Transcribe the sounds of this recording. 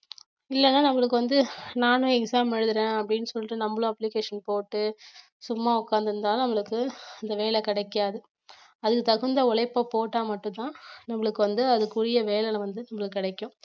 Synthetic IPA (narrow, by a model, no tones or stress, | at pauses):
ɪlːɛnːaːnɐmːɐɭɯkːɯʋɐnd̪ɯnaːnɯɛksaːmɛɻɯðɯɾẽːɐpːɐɽɪnːɯsɔlːɪʈːɯnɐmːɐɭʊ̃ɐpːlɪkeːʂɐnpoːʈːɯ | sʊmːaːʊkːaːnd̪ɯɾɯnd̪aːlnɐmːɐɭɯkːɯɐnd̪ɐʋeːlɛkɪɽɐɪkːɪjaːðɯ | ɐðɯkːɯt̪ɐɣɯnd̪ɐɔlɐɪpːɐpoːʈːaːmɐʈːʊ̃t̪ãːnɐmːɐɭɯkːɯʋɐnd̪ɯɐðɯkːuːɽɪjɐʋeːlɛlɐʋɐnd̪ɯnɐmːɐɭɯkːɯkːɪɽɐɪkːʊ̃